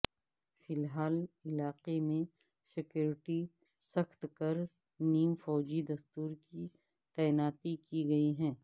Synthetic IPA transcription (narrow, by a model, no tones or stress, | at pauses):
fɪlɦaːlɪlaːqemẽ | sɪkjuːɾɪʈi | sɐxt̪kɐɾ | niːmfɔːd͡ʒid̪ɐst̪uːɾki | t̪ɛːɪnaːt̪ikiɡɐiɦɛ̃ː